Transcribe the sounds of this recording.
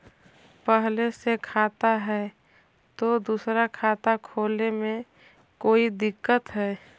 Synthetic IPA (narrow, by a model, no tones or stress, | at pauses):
pəɦlesekʰaːt̪aɦɛː | t̪od̪usɾakʰaːt̪akʰoːlemẽ | koːid̪ɪkːət̪ɦɛː